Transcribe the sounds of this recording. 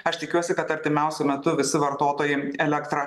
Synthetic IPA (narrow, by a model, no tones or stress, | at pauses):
ɐʃt̪ʲɪkʲuɔsʲɪkɐt̪ɐɾʲt̪ʲɪmʲɛʊsʲʊmʲɛt̪ʊʋʲɪsʲɪʋɐɾt̪oːt̪oːjɪɛlʲɛkt̪ɾɐ